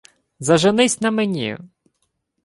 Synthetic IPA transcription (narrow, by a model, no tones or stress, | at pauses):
zɐʒenɪsʲnɐmenʲḭjʊ̰